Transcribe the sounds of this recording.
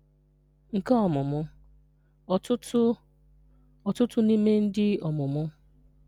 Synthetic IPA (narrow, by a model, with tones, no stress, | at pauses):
ŋ̩˨ka˦ɔ˨mʊ˨mʊ˦˨ | tʊ˦ | ɔ˨tʊ˦tʊ˦ni˦me˦n̩˦dɪ˦ɔ˨mʊ˨mʊ˦